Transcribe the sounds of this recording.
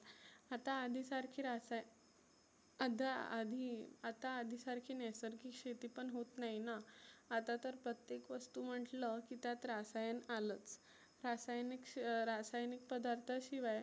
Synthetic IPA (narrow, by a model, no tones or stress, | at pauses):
at̪aːd̪ʱisaɾkʰiːɾasaj | ad̪ʱaa̰d̪ʱiat̪aːd̪ʱisaɾkʰiːnɛsəɾkʰiːkʂet̪ipəɳɦot̪nainaːt̪at̪əɾpɾət̪jekʋəst̪um̤əʈləkit̪jat̪ɾasajənalət͡s | ɾasajnikɾasajnik̚pəd̪aɾt̪ʰəɕiʋaj